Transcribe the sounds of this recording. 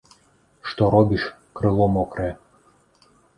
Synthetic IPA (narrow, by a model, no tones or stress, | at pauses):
ʃt̪oɾobiʃ | krɤ̆lˠomokrĕ